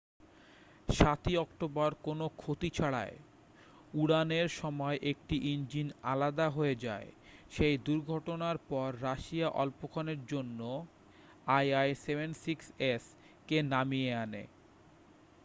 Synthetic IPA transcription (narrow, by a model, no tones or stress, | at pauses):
ʃat̪iɔkʈobaɾkonokʰot̪it͡ɕʰaɽa̰e | uɽaneɾʃɔmɔeʔek̚ʈiʔind͡ʑina̰lad̪aɦoed͡ʑa̰eʃejd̪uɾɡʱɔʈonaɾpɔɾːaʃiaʔɔ̰lpokʰaneɾd͡ʑonːo | ajajsebʱensikses | kenamieanḛ